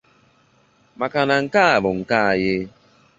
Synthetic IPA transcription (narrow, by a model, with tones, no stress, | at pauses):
ma˨ka˨na˨ŋ̩˨ka˦˨bo˨ŋ̩˨ka˦˨je˦